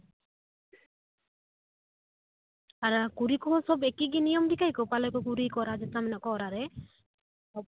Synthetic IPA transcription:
aɾakuɾikɔsɔbekiɡinijɔmɖikajkɔpalɔkɔkuɾikɔɾad͡ʒɛtamɛnaʔkɔɔɾaɾɛ | ɔ

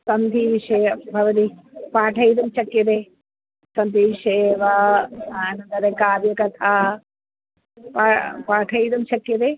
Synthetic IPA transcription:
sɐnd̪ʱiʋiʂɐːɐbʱɐʋɐt̪i | paːʈʰɐjd̪ɐmt͡ʃɐkjɐd̪e | sɐnd̪ʱiʋiʂeːʋɐaːnɐnd̪ɐɾekaːʋjɐkɐt̪ʰaː | papaːʈʰɐjd̪ɐmt͡ʃɐkjɐd̪eː

